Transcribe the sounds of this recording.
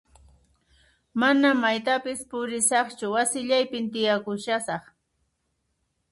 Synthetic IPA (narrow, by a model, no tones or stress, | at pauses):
manamːajt̪apɪspʊɾɪsɑχt͡ʃʊwasɪʎajpɪnt̪ɪjakʊʃasɑχ